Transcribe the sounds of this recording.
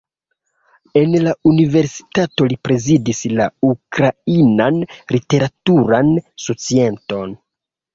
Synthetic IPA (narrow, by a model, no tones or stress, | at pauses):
e̞nlaunive̞ɾsi̥tato̞lipɾe̞zidislaukɾainanlite̞ɾatuɾansot͡sie̞nto̞n